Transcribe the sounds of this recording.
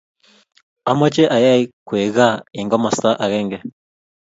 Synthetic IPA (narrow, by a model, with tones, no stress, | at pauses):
a˨ma˦t͡ʃɛ˦ʔa˨ja˦i˦kwe˨ɣa˦˨i˨ŋɡɔ˦ma˨sa˦ʔa˨ɣɛ˦ŋɡɛ˨